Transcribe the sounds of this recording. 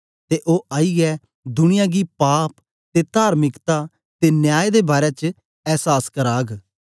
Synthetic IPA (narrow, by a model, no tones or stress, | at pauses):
t̪eːʔoːʔaːiːɡɛ | d̪ʊñɪjãːɡipaːp | t̪et̪aːɾmɪkt̪a | t̪eːnjaːed̪eːbaːɾɛt͡ʃ | ɛːsaːskəɾaːɡ